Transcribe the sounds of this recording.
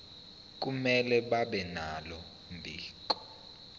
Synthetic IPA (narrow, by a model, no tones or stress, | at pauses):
k̬ʼumɛlɛɓaɓɛnalɔ | mbʱiːǃɔ̥